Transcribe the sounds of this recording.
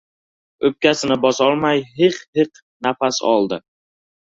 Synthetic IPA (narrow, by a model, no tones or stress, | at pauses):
ɵp̚kʲasɪnɪbɒsɒlˠmajɦɪqhɪq | nafasɒ̰lˠd̪ɪ